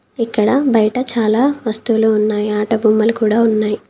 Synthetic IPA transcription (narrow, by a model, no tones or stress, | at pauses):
ikːɐɽɐbɐjɐʈɐt͡ʃaːlaːʋɐst̪uloːunːaːjiaːʈɐbʱuːmːɐlukuːɽaːunːaːji